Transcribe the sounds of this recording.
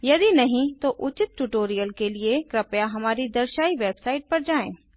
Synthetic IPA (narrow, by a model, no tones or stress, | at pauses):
jɐd̪inɐɦĩt̪oʔʊt͡ʃɪt̪̚ʈuʈoːɾijəlkeliekɾɐpjaɦɐmaːɾid̪ɐɾʃaːiʋeːbsaːɪʈ̚pɐɾd͡ʒaːẽː